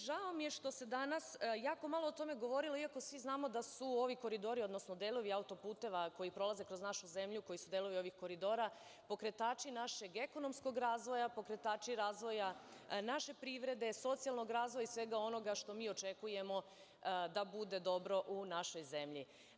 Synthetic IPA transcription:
ʒaomije̞ʃt̪o̞se̞d̪anasjaːko̞malˠoːt̪o̞me̞ɡo̞ʋo̞ɾiloiako̞sʋiznaːmo̞d̪asuo̞ʋiko̞ɾid̪o̞ɾio̞d̪nosnod̪eːlˠo̞ʋiaut̪o̞puːt̪e̞ʋako̞jipɾo̞lˠaze̞kɾo̞znaʃuze̞mʎuko̞jisud̪eːlˠo̞ʋio̞ʋixko̞ɾid̪o̞ːɾa | po̞kɾe̞t̪aːt͡ʃinaʃe̞ɡe̞ko̞no̞mskoɡɾaːzʋo̞japo̞kɾe̞t̪aːt͡ʃiɾaːzʋo̞janaʃe̞pɾiʋɾe̞d̪e̞so̞t̪sijalˠno̞ɡɾaːzʋojaisʋe̞ɡao̞no̞ɡaʃt̪o̞miːo̞t͡ʃekuje̞mo̞ | d̪abud̪e̞d̪o̞bɾo̞ʔunaʃo̞jze̞mʎi

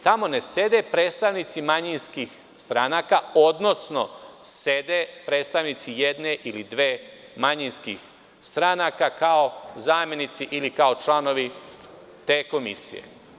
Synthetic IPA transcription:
t̪amo̞ne̞se̞d̪e̞pɾeːt̪st̪aʋnit̪simaɲinskix | st̪ɾanakao̞d̪no̞sno̞sed̪epɾeːt̪st̪aʋnit̪sijed̪ne̞ʔilid̪ʋeː | maɲinskḭx | st̪ɾanakakao̞zaːmje̞nit̪siʔilikao̞t͡ʃlano̞ʋi | t̪eːko̞mḭsḭjḛ

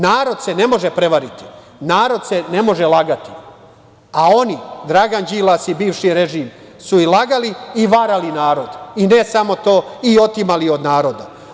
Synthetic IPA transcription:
naːɾo̞d̪sene̞mo̞ʒepɾeʋaɾit̪i̥ | naːɾo̞d̪se̞ne̞mo̞ʒelaɡat̪i̥ | ao̞nid̪ɾaɡand͡ʑiːlˠasibiːʋʃiɾeʒiːm | suilaɡaliːʋaɾalinaːɾo̞d̪ine̞samo̞t̪o̞ːio̞t̪imalio̞d̪naːɾo̞d̪a

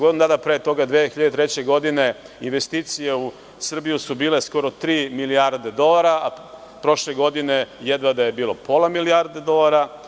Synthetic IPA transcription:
ond̪ad̪apɾet̪o̞ɡad̪ʋexiʎad̪et̪ɾe̞t͡ɕe̞ɡo̞d̪ine̞ | inʋe̞st̪iːt̪sijeu | sr̩bijusubiːle̞sko̞ɾo̞t̪ɾiːmiliaɾd̪e̞d̪o̞laɾaa | pɾo̞ʃle̞ɡo̞d̪ine̞jed̪ʋad̪aje̞biːlˠo̞po̞lamiliaɾd̪ed̪o̞laɾa

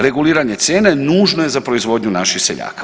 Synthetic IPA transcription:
ɾe̞ɡuliːɾaɲe̞t̪sjeːne̞nuːʒno̞je̞zapɾoizʋo̞dɲunaʃixseʎa̰ːkḁ

